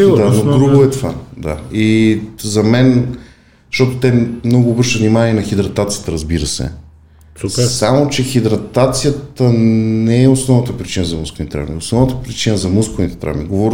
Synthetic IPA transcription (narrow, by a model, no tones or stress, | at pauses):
d̪anod̪ɾuɡʊɛt̪vad̪a̰izɐmɛn | ʃt̪ɔt̪ʊt̪ɛmnɔɡʊːbɾəɾʃt̪əvnimanʲiɛnɐxid̪ɾɐt̪at̪sijət̪əɾəzbiɾəsɛ̰ | samot͡ʃɛxid̪ɾɐt̪at̪sijət̪ənɛɛosnɔvnət̪əpɾit͡ʃinəzɐmuskovnit̪ɛt̪ɾa̰vmḭosnɔvnət̪əpɾit͡ʃinəzɐmuskovnit̪ɛ̥t̪ɾa̰mḭɡovɔɾ